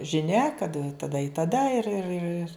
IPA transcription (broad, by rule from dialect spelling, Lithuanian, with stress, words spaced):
ʒʲɪˈnʲɛ kɐt tɐˈdɐ ɪ tɐˈdɐ ɪr ɪr ɪr